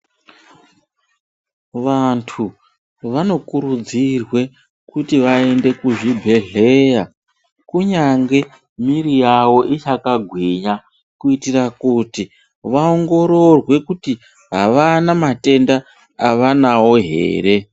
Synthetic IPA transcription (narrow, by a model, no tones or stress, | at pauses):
ʋantʰu | ʋano̞kuɾud͡zirwe̞ | kutiʋae̞nde̞kuʐibʱe̞ɮe̞ja | kuɲaŋɡe̞ | miɾijawo̞ʔit͡ʃakaɡʱwiɲa | kuitirakuti | ʋaoŋɡo̞ɾo̞rwe̞kuti | ɦaʋanamate̞ndaː | ʋanawo̞ɦe̞̰ːɾe̞